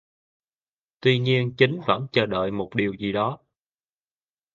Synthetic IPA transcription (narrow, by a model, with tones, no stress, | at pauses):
t̪wi˧ɲi˧ənt͡ɕï˨˦ŋ̟və̰˧˥nt͡ɕəː˧˩ɗə̰ː˧˨jmo˨˩t̚ɗi˨˩əwzi˨˩ɗɔ˨˦